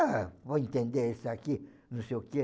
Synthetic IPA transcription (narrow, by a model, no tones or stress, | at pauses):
avɔĩnt̪ẽnd̪eɾesaki | nũseoke